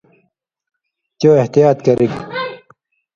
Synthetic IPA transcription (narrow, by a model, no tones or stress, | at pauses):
t͡ɕoːeht̪ijaːt̪kɐɾʔik